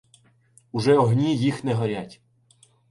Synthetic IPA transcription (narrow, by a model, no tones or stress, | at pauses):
uʒɛɔɦnʲijixnɛɦɔɾʲatʲ